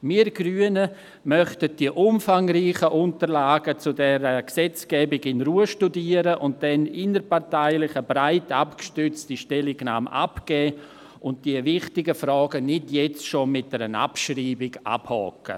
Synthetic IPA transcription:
miːɾɡryːənə | mœχtət̚d̥iəʔʊmfaŋriːχəʔʊntəlaːɡət͡sʊdɛɾəksɛt͡skɛːbɪɡɪnruːəʃtudiːəɾəʔʊnt̚d̥ɛnɪnəɾpaɾtaɪlɪχəbɾaɪtapkʃtʏt͡stiʃtɛlɪɡna̰ːmʔa̰pɡ̥ɛː | ʊntd̥iəvɪχtɪɡəfɾɔːɡənɪtjɛt͡stʃomɪt̚d̥ɛɾəna̰pʃriːbɪɡa̰phɔ̰kə̰

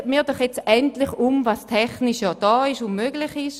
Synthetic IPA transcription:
miːɐdɔχjet͡sɛntlɪχumvastʰɛχnɪʃjɔd̥ɔːɪʃʊnmøɡlɪχɪʃ

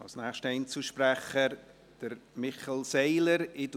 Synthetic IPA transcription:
ɑlsnæːχʃtɛɪnt͡suʃpɾɛχəɾ | d̥əɾmɪχɛlseɪləɾɪd

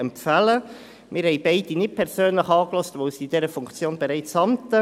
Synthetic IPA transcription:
ɛmfælə | mʔɪːɾhɛɪbɛɪd̥inɪt̚pʰɛɾsøːnləχɑːklɔstʋoːsiːd̥ɛɾəfʊŋkt͡sjoːnb̥eʁɾaɪt͡sɑmtə

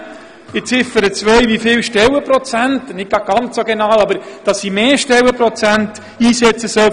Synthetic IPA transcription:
ɪt͡sɪfəɾət͡sʋœjʋifɪlʃtɛləpɾɔt͡sæntnɪk̚ɡ̥ɑɡ̚ɡ̥ɑnt͡ssoɡenɑːwɑbəɾd̥ɑsimeːʃtɛwəpɾɔt͡sænt | iːsɛt͡səsœ

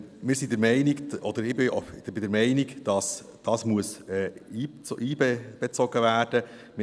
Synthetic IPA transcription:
mɪːɾsid̪ɛɾmɛɪnɪɡɔd̪əɾɪbɪɔ̰d̥bɪd̪ɛɾmɛɪnɪɡd̥ɑs | d̥ɑsmuəsɛːiːt͡sʔiːbɛb̥ɛt͡sɔɡəvæːɾd̥ə | mɪ

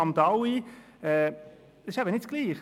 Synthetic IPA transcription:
ɑmd̪ɑwi | ɛ̥ː | ɪʃæbənɪtt͡sɡ̥liːχ

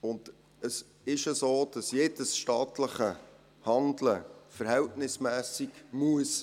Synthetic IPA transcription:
ʊnd | əs | ɪʃəsoːd̥ɑsjeːd̥əsʃtɑːtləχə | hɑndləfəɾhɛltnɪsmæːsiɡmuəs

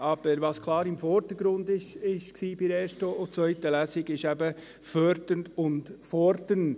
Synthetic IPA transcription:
ʔɑb̥əɾʋɑskʰlˠɑːɾɪmfɔɾd̪əɾɡɾʊnd̪ɪʃɪʃksiːbɪɾeːɾʃtəot͡sʋœʏtəlæsɪɡɪʃæbə | fœɾdənʊndfɔɾdən

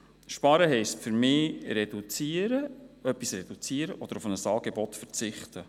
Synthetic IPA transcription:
ʃpɑɾəɦɛɪstfʏɾmɪːɾɛd̥ut͡siːəɾəœpːisrɛd̥ut͡siːəɾəʔɔd̥̪əɾufənəsɑːɡebɔtfəɾt͡sɪχtə

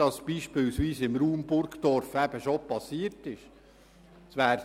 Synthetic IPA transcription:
ɑsb̥iːʃpɪlsʋiːsɪmɾuːmbʊɾkd̪ɔɾfæb̥əʃopɑsiəɾtɪʃ | sʋæːɾ

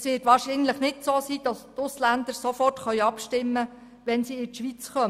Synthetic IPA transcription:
sʋɪːtʋɑːɾʃinləχnɪtsoːsiːd̥ɑstʊslænd̪əɾsofɔrtχœʏɑpʃtɪmːə | ʋɛnsiːɪtʃʋit͡sχœm

